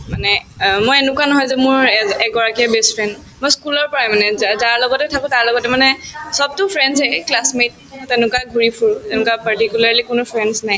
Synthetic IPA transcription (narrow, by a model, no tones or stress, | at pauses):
manɛmojɛnʊkwanɔɦɔjzɛmʊɹɛɡɔɹakiabɛstfʰɹɛnd | mojskulɔɹpɔɹajmanɛzaɹlɔɡɔtɛtʰakʊ̃taɹlɔɡɔtɛmanɛsɔb̚tʊpʰɹɛnzɛklasmet̚ | tɛnʊkwaɡʱuɹipʰuɹtɛnʊkapaɹtikjulaɹlikʊnʊpʰɹɛnsnaj